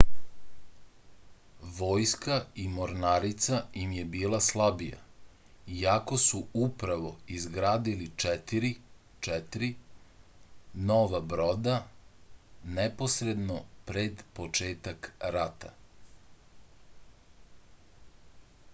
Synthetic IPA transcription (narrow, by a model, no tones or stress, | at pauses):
ʋoːjskaimoɾnaɾit̪sajimjebiːlˠaslˠabija̰ | iako̞suupɾaʋo̞izɡɾaːd̪ilit͡ʃɛt̪iɾi | t͡ʃɛt̪ɾi | noʋabɾod̪a | nɛpo̞sɾe̞d̪nopɾed̪pot͡ʃeːt̪akɾat̪a̰